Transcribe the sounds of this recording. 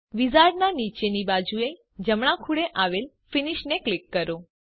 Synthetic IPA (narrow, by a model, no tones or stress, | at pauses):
ʋizaɾɖnanit͡ʃenibad͡ʒue | d͡ʒəmɽ̃ãkʰuɽeʔaʋel | finiʃneklikːəɾo